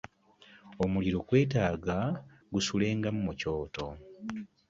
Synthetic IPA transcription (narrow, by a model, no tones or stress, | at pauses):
omuliɾo̞ɡwe̞ːtaːɡa | ɡusule̞ːŋɡamumuco̞ːto̞